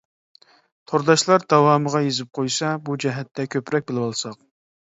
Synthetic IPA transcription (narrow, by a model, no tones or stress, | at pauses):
t̪ʰoɾd̪ɑʃlˠɑɾd̪ɑwɑːməʁɑjezɪp̚qʰojsɑbud͡ʒɛɦɛt̪ːɛkʲʰøpɾɛk̚ʲbɪlˠɪwɑlˠsɑq̚